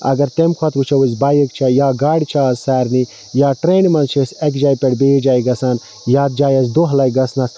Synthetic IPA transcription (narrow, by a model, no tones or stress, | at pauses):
ɐ̰ɡɐɾt̪emkʰɐt̪ʋut͡ʃʰɐwuzʲbaːjɐkt͡ʃʰajaːɡaːɽʲit͡ʃʰaːzːɛːɾni | jaːʈɾeːnmɐnt͡ʃʰesɐkd͡ʒaːjpeɽbejd͡ʒaːjɡɐsaːn | jaːt̪̚d͡ʒaːjɐs̬d̪oɦlaːjɡɐsnɐs